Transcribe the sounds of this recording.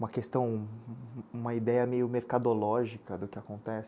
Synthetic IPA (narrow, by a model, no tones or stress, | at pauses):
ũmɐkest̪ɐ̃w̃ | ũmɐid̪ɛjɐmejʊmeɾkad̪olɔʒikɐd̪ʊkɪakõnt̪ɛsɪ̥